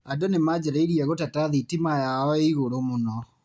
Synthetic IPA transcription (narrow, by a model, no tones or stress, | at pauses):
adonemad͡ʑɛɾaiɾiɛɣotataðitimajaɔeiɣoɾomonɔ